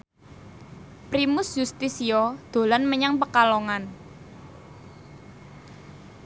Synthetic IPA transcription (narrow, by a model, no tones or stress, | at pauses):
pɾimʊsjust̪isiɔd̪̥o̤lanməɲaŋpəkaloŋan